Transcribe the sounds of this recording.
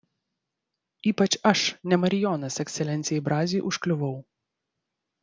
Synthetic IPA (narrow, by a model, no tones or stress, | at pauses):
iːpɐt͡ʃɐʃnʲɛmɐɾʲɪjoːnɐsɛksʲɛlʲɛnt̪sʲɪjɛɪbɾɑːzʲiːʔʊʃklʲʊʋɐʊ